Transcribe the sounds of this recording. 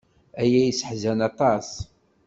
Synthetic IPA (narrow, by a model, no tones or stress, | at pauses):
æjæjəsə̥ħzænɑt̪ˤɑs